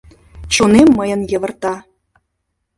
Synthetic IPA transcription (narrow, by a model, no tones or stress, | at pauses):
t͡ɕonemːɤjɤ̆njɤ̆və̆rt̪ɑ